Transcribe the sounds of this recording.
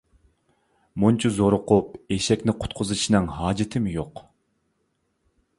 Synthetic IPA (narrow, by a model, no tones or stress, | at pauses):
munt͡ʃʰuzoɾʊqʊp̚eʃɛkʲnɪqʰʊ̥t̪̚qʰʊzɨʃʰinɨŋɦɑːd͡ʒit̪ʰɪmɪjoq